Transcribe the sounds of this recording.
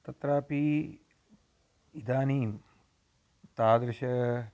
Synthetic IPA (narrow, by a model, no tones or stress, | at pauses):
t̪ɐt̪ɾaːpi | id̪aːniːm | t̪aːd̪ɾɪʃɐ